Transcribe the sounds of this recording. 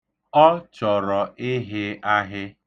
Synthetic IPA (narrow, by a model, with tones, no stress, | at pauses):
ɔ˦t͡ʃɔ˨ɾɔ˨ʔɪ˦ɦɪ˦a˦ɦɪ˦